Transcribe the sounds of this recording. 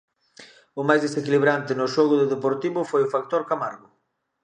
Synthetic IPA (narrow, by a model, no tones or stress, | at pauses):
ʊmajzðesekiliβɾant̪ɪnʊʃɔɣʊðʊðepoɾt̪iβʊfojʊfak̚t̪oɾkamaɾɣʊ